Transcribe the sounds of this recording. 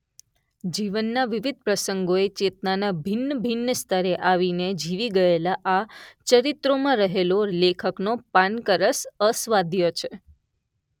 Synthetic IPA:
d͡ʒiʋənːaʋiʋid̪̚ʱpɾəsəŋɡoet͡ʃet̪nanabʱinːəbʱinːəst̪ʰəɾeʔaʋined͡ʒiʋiɡəelaʔat͡ʃəɾit̪ɾomãɾəɦelolekʰəknopankəɾəsəsʋad̪ʱjot͡ʃʰe

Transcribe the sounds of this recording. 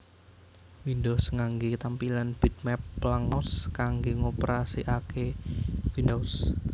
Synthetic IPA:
windɔhsəŋaŋɡekt̪ampilanb̥i̤t̪̚mɛpːlaŋɔskaŋɡeŋopəɾasiʔakefindɔws

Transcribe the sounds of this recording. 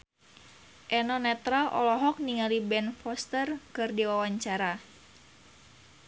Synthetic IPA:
ʔɛnɔnɛt̪ɾaʔɔ̰lɔɦɔk̚niŋalibɛnfɔst̪ərkɨrdiwawaɲt͡ʃaɾa

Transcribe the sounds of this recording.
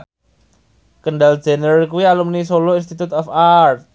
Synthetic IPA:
kənɖald̥d͡ʒ̥ɛ̤nərkuwialumnisolɔinst̪it̪ut̪ɔfart̪̚

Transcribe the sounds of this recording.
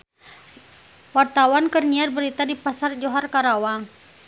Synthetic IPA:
wart̪awankərɲiarbəɾit̪adipasard͡ʒoɦarkaɾawaŋ

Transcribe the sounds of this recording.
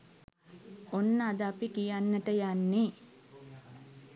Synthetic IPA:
onːəad̪əapikijanːəʈəjanːi

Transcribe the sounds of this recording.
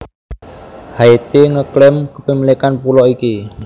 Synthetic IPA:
haet̪eŋəklɛmkəpəmilikanpulɔʔiki

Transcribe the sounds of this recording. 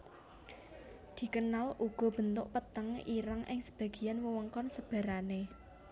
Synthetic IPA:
d̪̥i̤kənaluɡ̥ɔ̤b̥ə̤nt̪ʊʔpət̪əŋiɾaŋʔɪ̰ŋsə̥b̥ä̤ɡ̥i̤janwəwəŋkɔnsəb̥ä̤ɾane

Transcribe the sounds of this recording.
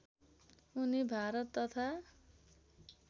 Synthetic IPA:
unibʱaɾʌt̪ːʌt̪ʰa

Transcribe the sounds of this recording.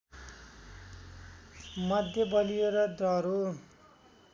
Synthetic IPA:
mʌd̪ʱjʌbʌlijeɾʌd̪rʌɾu

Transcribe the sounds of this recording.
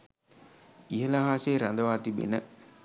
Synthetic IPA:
iɦəlaɦaːseːɾand̪əʋaːt̪ibḛnə

